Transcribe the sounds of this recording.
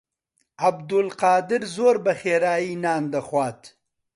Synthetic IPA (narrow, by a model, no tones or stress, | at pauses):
abd̪ʊlqɑːd̪ɪɾzoːɾbɐxeːɾaːinɑːnd̪ɐxwɑːt̪